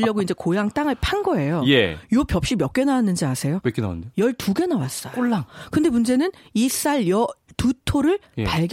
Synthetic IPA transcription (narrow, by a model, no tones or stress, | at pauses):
ʎːʌɡoind͡ʑe̞kojaŋt͈aŋɯɭpʰanɡʌe̞jojejopjʌp̚ɕ͈imjʌk͈e̞nawanːɯnd͡ʑiasʰe̞jokʰena̰a̰nndejʌɭtuɡe̞nawas͈ʌoɭːaŋkɯnde̞mund͡ʑe̞nɯnis͈aɭjʌtutʰoɾɯɭjpaɭɡ